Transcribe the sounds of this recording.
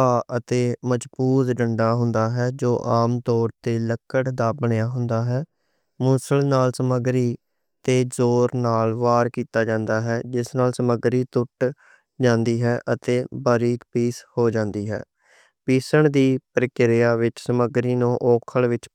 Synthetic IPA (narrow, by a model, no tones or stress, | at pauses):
aːʔət̪eːməd͡ʒbuːzɖəɳɖaːɦʊnd̪aːɦɛːd͡ʒoːʔaːmt̪ɔːɾt̪eːləkəʈd̪aːbəɳjaːɦʊnd̪aːɦɛː | mʊsəlnaːlsəməɡɾiː | t̪eːzoːɾnaːlʋaːɾkiːt̪aːd͡ʒãːnd̪aːɦɛːd͡ʒɪsnaːlsəməɡɾiːt̪ʊʈ | d͡ʒãːnd̪iːɦɛːʔət̪eːbaːɾiːkpiːshoːd͡ʒãːnd̪iːɦɛ̰ː | piːsəɳd̪iːpɾəkɪɾɪjaːʋɪt͡ʃsəməɡɾiːnõːʔoːkʰəɭʋɪt͡ʃ